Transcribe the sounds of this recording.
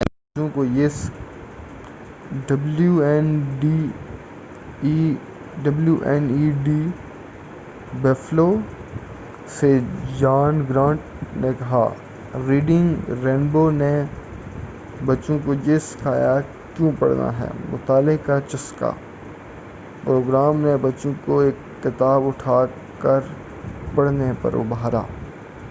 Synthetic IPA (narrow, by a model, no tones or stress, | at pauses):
bɐt͡ʃõkojes | ɖɐbljuɛnɖi | ɖɐbljuʔɛːniɖi | bɛːfloː | sed͡ʒaːnɡɾãːɳʈ | nekɐɦa̰ | ɾiːɖɪ̃ŋɡɾẽːnboːne | bɐtːʃõkod͡ʒɪskʰaːja | kjõːpɐ̰ɽna̰ɦɛ̰ːmʊ̰t̪aːlɪkat͡ʃɐska̰ː | pɾoːɡɾaːmnebɐtːʃõkoeːkːɪt̪aːbʊʈʰaː | kəɾ | pɐɽnepɐ̰ɾo̰ːbaːɾa̰ː